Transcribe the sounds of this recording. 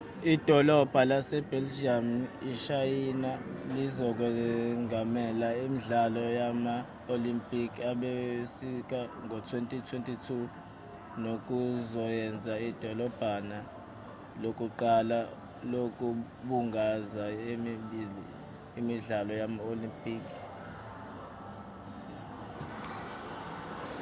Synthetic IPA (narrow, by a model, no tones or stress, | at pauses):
id̥ʱɔlɔb̥ʱalasɛb̥ɛld͡ʒiamiʃajinalizɔk̬wɛŋamɛlaimiɮalɔjama | olimpʼikʰaɓesik̬ʼaŋɔtʰwentʼitʰwentʼitʰu | nok̬ʼuzɔjɛnd͡zʱaid̥ʱɔlɔb̥ʱana | lokʼuǃala | lokʼu | ɓuŋɡʱazaemiɓiliː | miɮalɔjamaolimpʼiːkʰʼi̥